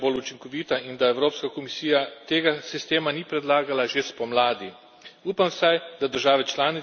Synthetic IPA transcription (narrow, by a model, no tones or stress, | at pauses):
bolut͡ʃiŋkɔʋiːt̪aind̪aɛwɾoːpskakɔmisiːjat̪eːɡasist̪eːmaniːpɾɛd̪laːɡalaʒespɔmlaːd̪i | uːpamwsajd̪ad̪əɾʒaːʋɛt͡ʃlaːni